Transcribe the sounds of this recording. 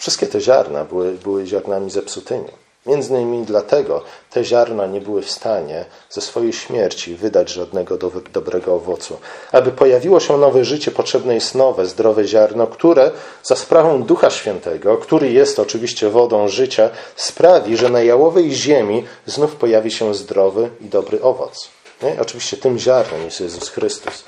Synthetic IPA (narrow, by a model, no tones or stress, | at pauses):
fʂɨst̪kʲɛt̪ɛʑaɾna̰bɘwɘbɘwɘʑaɾnamʲizɛpsut̪ɘɲʲṵ | mʲjɛnd̪zɲimʲid̪lat̪ɛɡɔt̪ʰɛʑaɾnaɲɛbɘwɘfst̪aɲɛ | z̥ɛsfɔjɛjɕmʲjɛɾt͡ɕivɘd̪ad͡ʑʐad̪nɛɡɔd̪d̪ɔbɾʔɛɡɔːvɔt̪suabɘpɔjavʲiwɔɕɛnɔvɛʐɘt͡ɕɛpɔtʂɛbnɛjɛst̪nɔvɛzd̪ɾɔvɛʑaɾnɔkt̪uɾɛ | zaspɾavɔ̃w̃d̪uxaɕfʲjɛnt̪ɛɡɔkt̪uɾɘjɛst̪ɔt͡ʂɘvʲiɕt͡ɕɛvɔd̪ɔ̃w̃ʐɘt͡ɕaspɾavʲiʐɛnajawɔvɛjʑemʲi | znufpɔjavʲiɕɛzd̪ɾɔvɘid̪ɔbɾɘʔɔvɔ̰t̪s | ɲɛʔɔt͡ʂɘvʲiɕt͡ɕɛt̪ɘmʑaɾnɔmjɛst̪jɛzusxɾɘst̪us